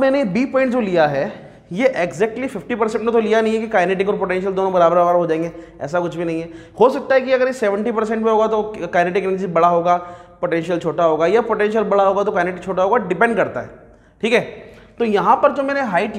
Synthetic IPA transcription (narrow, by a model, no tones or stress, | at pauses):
mɛːnebiːpɔːɪ̃ɳʈd͡ʒolijaɦɛ | jeʔeɡzɛːk̚ʈlifɪfʈipɐɾsɛ̃ɳʈmẽt̪olijanɐɦĩɦɛkikaːjneːʈɪkɔːɾpoʈɛ̃ːnʃəld̪oːnõbɐɾaːbɾabaɾɦod͡ʒaːẽŋɡe | ɛ̰ːsakʊt͡ʃʰbʱinɐɦĩɦɛ | hosɐk̚t̪aɦɛk̬iɐɡəɾjesɛʋə̃ɳʈipɐɾs̬ɛ̃ɳʈmẽɦoːɡat̪okaːɪneːʈɪkenəɾd͡ʒibɐɽaɦoːɡaːpoʈɛ̃nʃiəlt͡ʃʰoːʈaɦoːɡajapoːʈɛ̃nʃəlbɐɽaɦoːɡat̪okaːneːʈɪk̚t͡ʃʰoːʈaɦoːɡaɖɪpɛ̃ɳɖkɐɾt̪aɦɛ̰ː | ʈʰiːkɦɛːt̪ojɐɦãpɐɾd͡ʒoːmɛːneɦaːɪʈ